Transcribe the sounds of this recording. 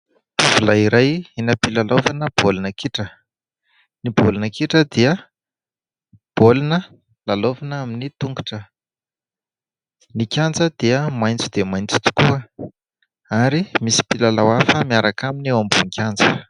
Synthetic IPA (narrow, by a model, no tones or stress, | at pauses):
vulaiɾajinəpilalovanəb̥olunəkiʈ͡ʂə | nibolnəkiʈ͡ʂəd̪iə | b̥olunə | lalovanəaminit̪uŋɡuʈ͡ʂə | nikʲand͡zəd̪̥iəmajnt͡sid̪̥emajnt͡si̥t̪u̥kuə | aɾimisi̥pilalawafəmiaɾakaminewambuŋkʲʰand͡zə